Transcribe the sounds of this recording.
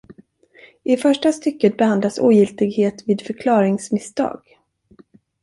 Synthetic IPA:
ɪfœʂʈast̪ʏkːət̪̚bɛhand̪lasṵːjɪlt̪ɪɡheːt̪viːd̪fœɾkʰlɑːɾɪŋsmɪst̪ɑ̰ːɡ̥

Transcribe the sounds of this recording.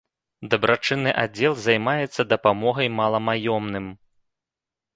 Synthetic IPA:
d̪ɐbɾʔat͡ʂɨnːɨʔad͡zʲɛlˠzajmajɛt̪sːɐd̪ɐpamɔɣɐjmalˠɐmajɔmnɨm

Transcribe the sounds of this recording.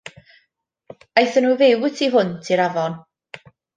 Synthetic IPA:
ajθənuːvewtʰiɦʊntʰiɾavɔn

